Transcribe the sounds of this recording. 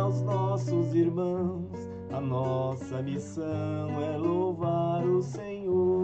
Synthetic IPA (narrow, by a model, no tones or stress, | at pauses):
wznɔsʊziɾmɐ̃w̃s | ɐnɔsɐmisɐ̃w̃ɛlovaɾʊsẽɲo